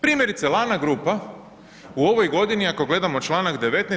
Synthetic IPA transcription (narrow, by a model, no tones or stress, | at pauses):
pɾiːmje̞ɾit̪selˠaːnaɡɾuːpa | uo̞ʋo̞jɡo̞d̪iniako̞ɡle̞d̪amo̞t͡ʃlˠaːnakd̪e̞ʋe̞t̪ne